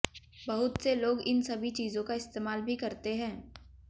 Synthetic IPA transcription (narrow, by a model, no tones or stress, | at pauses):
bɐɦʊt̪seloːɡɪnsɐbʱit͡ʃiːzõkaɪst̪eːmaːlbʱikɐɾt̪eɦɛ̃ː